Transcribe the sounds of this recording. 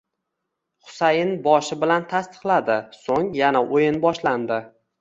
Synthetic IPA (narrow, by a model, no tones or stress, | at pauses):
χʊ̥sajɪnbɒʃɪbɪlant̪ʰast̪ɨ̥qlˠad̪ɪsoŋjanaʔojɪnbɒʃland̪ɪ